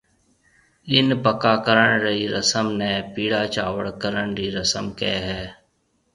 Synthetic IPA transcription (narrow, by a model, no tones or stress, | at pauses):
ɪnpəkaːkəɾəɳɾəiːɾəsəmnɛːpiːɽaːt͡ʃaːʋəɽkəɾəɳɾiːɾəsəmkɛːɦɛː